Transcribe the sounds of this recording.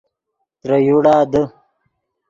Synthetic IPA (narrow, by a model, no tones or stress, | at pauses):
t̪ɾɐjuɽaːd̪ə